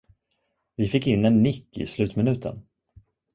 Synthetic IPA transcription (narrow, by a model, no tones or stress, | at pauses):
vɪfɪkːɪnːɛnːɪkːɪ̰slʉ̟ːt̪mɪnʉ̟ːt̪ʰə̰n